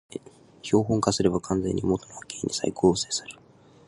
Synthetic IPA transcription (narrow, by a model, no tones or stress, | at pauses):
ço̞ːɦõ̞ŋkasɨɾe̞bakʰãnzẽ̞̰ɲ̟ʲːimot̪onoakeɲʲːisa̰ikɯoːse̞ːsɨ̥ɾɯ̟̥